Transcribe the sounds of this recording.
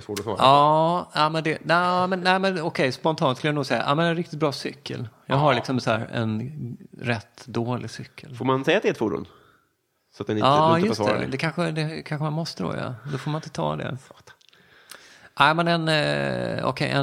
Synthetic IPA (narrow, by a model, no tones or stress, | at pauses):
svoːʈɔsɑ̰ːɾɑːamɛnd̪ɛnɛmɛnːæɪmɛnɔkʰɛjspɔnt̪ʰɑːnskɵljanuːɡsɛjːa̰ʔamɛnɛnɾɪk̚t̪ɪt̪bɾɑːsʏkʰːə̰ljɑːɡɦaɾlɪksɔmshæːɾɛ̰nɾɛt̪ːd̪oːlʔɪɡsʏkʰːəlfoɾmansɛjːat̪d̪ɛt̪fuːɖṵːn | sɔat̪d̪ɛnɪɑjɵɔsɛ̰ɾd̪ɛkʰanɧəd̪ɛkʰanɧəmanmɔst̪əd̪o̰ːjɑ̰d̪ɔfoɾmanɪnt̪ət̪ʰɑ̰ːd̪ɛ̰ | æɪmɛnɛn | ɔ̰kʰɛ̰jʔɛ̰